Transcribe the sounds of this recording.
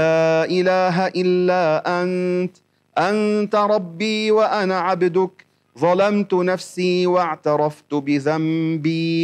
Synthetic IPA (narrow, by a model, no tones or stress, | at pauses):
aːʔɪlaːɦaʔɪlːaːʔant̪ | ʔant̪ɾˤɑbːiːwaʔanaːʕabd̪ʊk | ðˤɑlamt̪ʊnafsiːwaʕt̪ɑɾˤɑft̪ʊbɪðambiː